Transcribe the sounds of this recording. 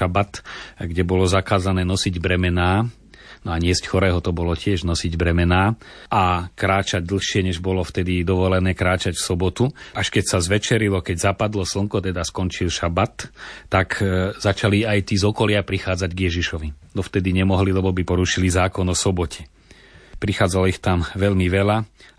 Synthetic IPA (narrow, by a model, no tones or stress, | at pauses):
abat̪ɡɟɛbɔlɔzakaːzanɛːnɔsiɟbɾɛmɛnaː | nɔaɲɪɛscxɔɾɛːɦɔt̪ɔbɔlɔcɪɛʒnɔsiɟbɾɛmɛnaːʔakɾaːt͡ʃaɟ̚d̪l̩ˠxʃɪɛɲɛʒbɔlɔft̪ɛd̪id̪ɔʋɔlɛnɛːkɾaːt͡ʃacfsɔbɔt̪uʔaʃkɛcsazʋɛt͡ʃɛɾilɔkɛɟzapad̪lɔsl̩ŋkɔt̪ɛd̪askɔnt͡ʃilʃabat̪ːakzat͡ʃaliajt̪iːzɔkɔlɪapɾixaːd͡zaɟɡjɛʒiʃɔʋid̪ɔft̪ɛd̪iɲɛmɔɦlilɛbɔbipɔɾuʃilizaːkɔnɔsɔbɔcʰɛ̥ | pɾixaːd͡zalɔixt̪amʋɛʎmiʋɛla